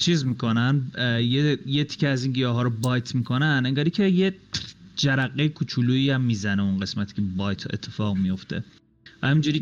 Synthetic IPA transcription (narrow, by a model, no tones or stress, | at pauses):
t͡ʃʰiːzmiːkʰo̞nænjejet̪ʰi̥cʰʲeæzinɡijɒːɦɒːɾobɒjt̪ʰmikʰo̞næneŋɡɒːɾiːcʲʰejed͡ʒæɾæɣːejekʰut͡ʃʰuluːiæmːiːzæneunɢe̞smæt̪ʰi̥cʰebɒjt̪ʰe̞̰t̪ʰːe̞fɒːɣmijo̞ft̪ʰe̞̰ | væhæmiːnd͡ʒuːɾiː